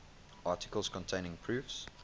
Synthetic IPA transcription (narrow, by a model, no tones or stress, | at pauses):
ʔɑˑtɪ̥kəlˠz̥kʰɔ̃ntʰẽɪ̃nɪ̃ŋpʰɹ̥ʉfs